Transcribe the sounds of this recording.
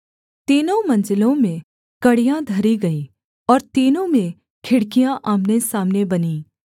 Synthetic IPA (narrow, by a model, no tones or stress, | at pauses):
t̪iːnõmɐ̃nd͡ʒɪlõmẽ | kɐɽijãd̪ʱɐɾiɡɐiː | ɔːɾt̪iːnõmẽ | kʰɪɽkijãʔaːmnesaːmnebɐniː